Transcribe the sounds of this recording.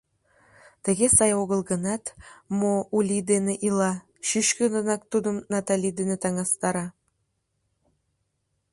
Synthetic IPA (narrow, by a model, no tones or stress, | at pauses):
t̪ɘ̆ɡʲesɑjoɣə̆lˠɣɤ̆nɑt̪moulʲid̪eneʔilˠɑ | ʃyʃkɘ̆nɤ̆nɑk̚t̪ud̪ə̆mnɑt̪alʲid̪enet̪ɑŋɑst̪ɑɾɑ